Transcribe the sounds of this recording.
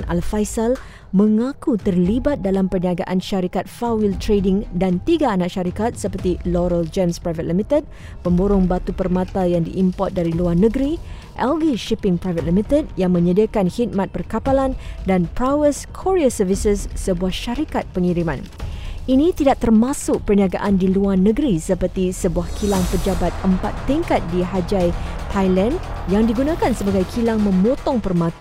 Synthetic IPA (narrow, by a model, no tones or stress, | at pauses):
na̰lfajsal | mə̃ŋãkut̪ərlibat̪̚dalampərniaɡaʔanʃaɾikat̪̚fawilt̪ɾedɪŋdant̪iɡaːnãʔʃaɾikat̪̚səpərt̪iloɾəld͡ʒamspɾajvət̪̚limit̪əd̚ | pəmboɾʊŋbat̪upərmãt̪ajaŋdḭʔimpɔt̪̚daɾiluarnəɡɾi | ʔɛlɡiʃipɪŋpɾajvət̪̚limit̪əd̚jaŋmə̃ɲədiakanhit̪̚mãt̪̚pərkapalandanpɾawəskʰoɾiasəvisəsːəbuahʃaɾikat̪̚pəŋiɾimã̰n | ʔinĩt̪idaʔ̚t̪ərmãsʊk̚pərniaɡa̰ʔandiluarnəɡɾisəpərt̪isəbuahkʰilaŋpəd͡ʒabat̪̚əmpat̪ːiŋkat̪̚diɦad͡ʒajt̪ʰajlɛnjaŋdiɡunãkansəbaɡajkʰilaŋmə̃mot̪ɔŋpərmãt̪a